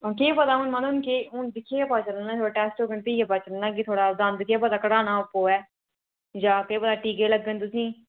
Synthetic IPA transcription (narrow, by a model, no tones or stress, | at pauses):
oːkeːpət̪aːɦʊnmə̃nʊnkeːʊnd̪ɪkʰːeːɛpaːt͡ʃələnaːt̪ʰoːɽaːʈɛːsʈoːkənpiːɡɛːpaːt͡ʃələnãːk̬ɪt̪ʰoːɽaːd̪and̪ɪkʰːɛːp̬ət̪aːkəɽaːnaːʊpːoːɛː | d͡ʒãːkəeːpət̪aːʈiːkeːləɡːənt̪̬ʊsĩː